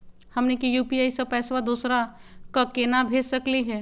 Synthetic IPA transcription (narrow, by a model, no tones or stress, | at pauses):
hɐmnekijuːpiaːisəb̚pɛːswad̪uːsɾa | kakeːnabʱeːd͡ʒsəkliɦɛː